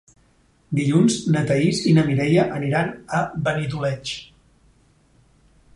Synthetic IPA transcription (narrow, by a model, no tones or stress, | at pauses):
d̪iʎunznət̪əizinəmiɾɛjəʔəniɾanəbənit̪̬ulɛt͡ʃ